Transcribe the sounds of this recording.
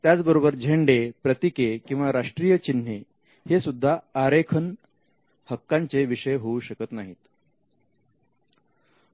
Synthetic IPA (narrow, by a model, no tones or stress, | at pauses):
t̪jat͡sbəɾobəɾd͡ʑʱeɳɖepɾət̪ikekĩw̃ʋaɾaʂʈɾijət͡ɕin̤e | hesud̪ʱːaːɾekʰən | həkːaɲt͡seʋiɕəjɦouɕəkət̪naɦit̪